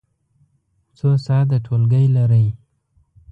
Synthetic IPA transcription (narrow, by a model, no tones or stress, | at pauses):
t͡sosɑd̪aʈʰolɡəjlaɾəj